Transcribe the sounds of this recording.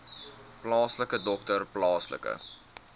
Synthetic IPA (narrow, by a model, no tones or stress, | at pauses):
plɑːsləkədɔk̚tərplɑːslə̰kə̰